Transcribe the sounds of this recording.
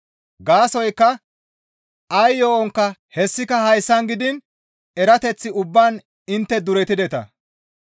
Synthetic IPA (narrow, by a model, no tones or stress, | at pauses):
ɡaːsɔjkːɐ | ʔɐjːoːʔɔŋkːɐhɛsːɪkɐhɐjsːɐnɡɪd̪ɪn | ɛɾɐt̪ɛt͡sːɪʊbːaːn | ɪnt̪ːɛd̪ʊɾɛt̪ɪd̪ɛt̪ɐ̰